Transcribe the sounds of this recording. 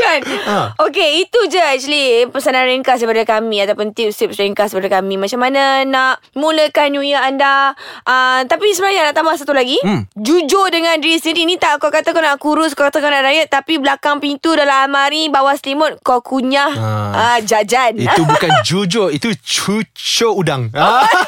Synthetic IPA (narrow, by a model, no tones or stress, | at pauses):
kanok̬eit̪ud͡ʒəɛk̚t͡ʃualipəsanãɾɛŋkasəpadakamĩat̪awpʊnt̪iʊp̚sip̚sɾɛŋkasəpadakamĩmat͡ʃamananaʔ | muləkanjujəandaʔət̪apisəbənaɲanaʔt̪ambahsat̪ulaɡid͡ʒud͡ʒodəŋãnɾisəninĩt̪aʔkakat̪akanaʔkuɾʊs̬kakat̪akanaʔɾajəʔt̪apiblakaŋpint̪udalaalmaɾibawaslimʊt̚kakuɲahad͡ʒad͡ʒanit̪ubukand͡ʒud͡ʒoit̪ut͡ʃut͡ʃoudaŋa